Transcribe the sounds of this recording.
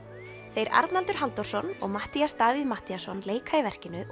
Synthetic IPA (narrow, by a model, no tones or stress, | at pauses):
θejɾa̰ɾt̪nalt̪ʏɾ̥ɦalt̪ɔwɾ̥sɔnɔ̰ɣmaht̪iast̪aːviðmaht̪iasɔnleːjkʰaivɛr̥cɪnʏ